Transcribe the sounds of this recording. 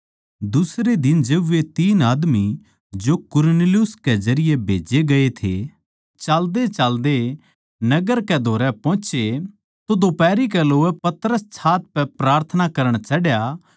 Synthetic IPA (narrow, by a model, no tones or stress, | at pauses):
d̪ʊsɾed̪ɪnd͡ʒeːbʋet̪iːnaːd̪mi | d͡ʒokʊɾnelijʊsked͡ʒɐɾɪjebʱḛːd͡ʒeɡɐet̪ʰḛ | t͡ʃaːld̪et͡ʃaːld̪e | nɐɡəɾkɛd̪ʱoːɾɛpɔ̃ːt͡ʃe | t̪od̪oːpɛːɾikɛloːɛpɐt̪ɾəst͡ʃʰaːt̪̚pɛpɾaːɾt̪ʰənakɐɾəɽ̃t͡ʃɐɽja